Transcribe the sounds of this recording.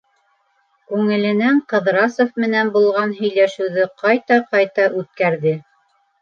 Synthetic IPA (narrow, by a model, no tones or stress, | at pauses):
kʉŋɘ̆lɘ̆næɴqɤ̆ðɾɑsŏfmɘ̆nænbulˠʁɑnɦɵ̆jlæʃɘ̆wðɘqɑjt̪ɑqɑjt̪ɑʔʉt̪̚kæɾðɘ